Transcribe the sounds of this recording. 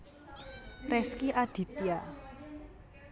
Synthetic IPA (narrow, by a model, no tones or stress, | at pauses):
rɛskiʔad̪̥i̤t̪ija